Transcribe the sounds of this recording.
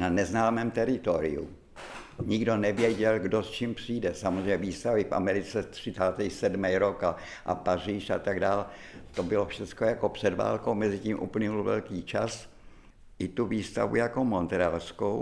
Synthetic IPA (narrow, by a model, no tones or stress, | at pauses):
nanɛznaːmɛːmt̪ɛɾɪt̪oɾɪ̰ṵ | ɲɪɡdo̞nɛvjɛɟɛlɡdost͡ʃiːmpr̥iːdɛsamozrejɲɛviːst̪avɪfʔa̰mɛɾɪt͡sɛt̪r̝̥ɪt͡saːt̪ɛjsɛdmɛjɾoka | ʔa̰pariːʃa̰t̪aɡdaːl | t̪obɪlofʃɛtt͡skojako̞pr̥ɛdva̰ːlkowmɛzɪciːmʔṵːpl̩ɲɛulvɛ̰lkiːt͡ʃas | ʔɪt̪uviːst̪a̰vṵjako̞mont̪ɾalskow